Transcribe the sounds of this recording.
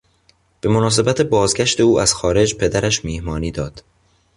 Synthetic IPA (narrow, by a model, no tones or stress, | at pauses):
b̥e̞mo̞nɒːs̬e̞bæt̪ʰebɒːzɡæʃt̪e̞uːæz̥xɒːɾe̞d͡ʒpʰe̞d̪æɾæʃmiːhmɒːniːd̪ɒːd̪̥